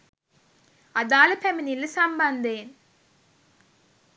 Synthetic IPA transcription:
ɐðaːlɨpɛminilsɐmbɐnd̪eːn

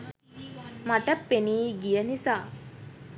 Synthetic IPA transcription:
maʈəpːeniːɡijənisaː

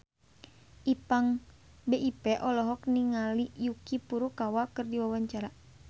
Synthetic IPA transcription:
ʔipaŋ | beʔipɛʔɔlɔɦɔk̚niŋalijukipuɾukawakərdiwawaɲt͡ʃaɾa

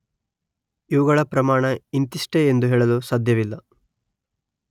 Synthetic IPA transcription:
iʋuɡɐɭɐpɾɐmaːɳɐint̪iʂʈeend̪uɦeːɭɐlusaːd̪ʱjɐʋilːɐ

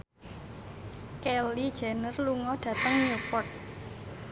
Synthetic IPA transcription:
kɛlid̥ʒ̥ɛnərluŋɔɖ̥ä̤t̪əŋɲupɔt̪̚

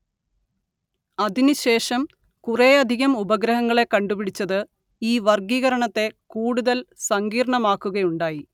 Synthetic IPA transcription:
ɐðinɨɕe̞ːʂɐm | kureɐd̪ʱiɣɐmubɐɡɾɐɦɐŋːɐɭe̞kɐɳɖubiɽit͡ɕːɐðɨ | iːʋɐrɡiːɣɐɾɐɳɐt̪ːe̞kuːɽuðɐlsɐŋɡiːɾɳɐmaːkːuɣɐjuɳɖaːji

